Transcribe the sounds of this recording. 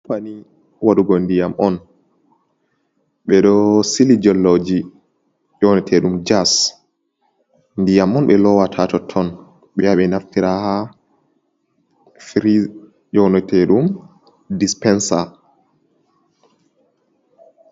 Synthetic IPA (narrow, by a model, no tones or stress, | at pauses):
pani | waɗuɡɔndijamʔɔn | ɓɛɗɔsilid͡ʒɔlːɔd͡ʒi | jɔnɔtʰɛɗumd͡ʒas | ndijamɔnɓɛlɔwatʰatɔtʰːɔn | ɓɛjaɓɛnaftiɾaha | fɾi | jɔnɔtɛɗum | dispɛnsa